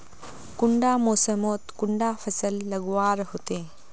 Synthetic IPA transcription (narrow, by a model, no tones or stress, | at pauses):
kuɳɖamoːsəmoːt̪kuɳɖafʰəsəlːəɡʋaːɾɦot̪e